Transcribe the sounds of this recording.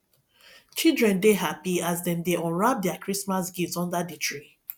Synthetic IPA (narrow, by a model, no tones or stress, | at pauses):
t͡ʃildɹɛ̃ndeɦapiazdɛ̃ndeʔɔ̃ɹap̚dɛakʰɹismasɡitsɔ̃ndaditɹi